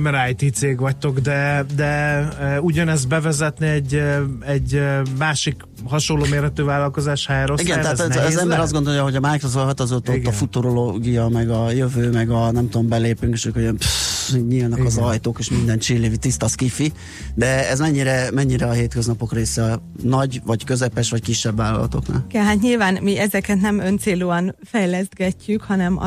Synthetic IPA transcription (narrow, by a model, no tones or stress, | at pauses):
mɛɾajt̪iːt̪seːɡvɒc̚t̪o̞ɡd̪ɛd̪ɛ | uɟɒnɛzd̪bɛvɛzɛt̪niɛɟɛɟmaːʃik | ɦɒʃo̞nlːoːmeːrhɛt̪øːvaːlːɒlko̞zaːʃhaɛɾoiɡɛnt̪ɛɦat̪nːzɛmbbɛɾɒzɡo̞nd̪oljɒɦo̞ɟɒmaːjkozoɦɒt̪ɒzot̪otɡːɒfut̪oɾoloɡijɒmɛɡɒjøvøːmɛɡɒnɛmt̪uombɛleːpyŋkeʃøːkhojonpiɲiːlnɒkɒzɒjt̪oːkeːʃmind̪ɛnt͡ʃiːleːvit̪ist̪ɒskifi | d̪ɛɛzmɛɲːiɾɛmɛɲːiɾɛɒɦeːt̪køznɒpo̞kreːsɛ | nɒɟvɒckø̞zɛpɛʃʋɒckiʃːɛbːaːlːɒ̰lɒ̰t̪o̞̰kna̰ːlɛlɦat̪ɲilvaːnmiʔɛzɛkɛt̪nɛmønt̪seːluːɒnfɛjlɛzd̪̚ɡɛcːykhɒnɛm̰